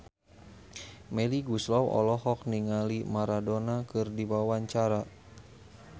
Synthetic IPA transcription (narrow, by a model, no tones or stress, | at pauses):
mɛliɡuslɔwɔ̰lɔhɔk̚niŋalimaɾadɔnakɨrdiwawaɲt͡ʃaɾa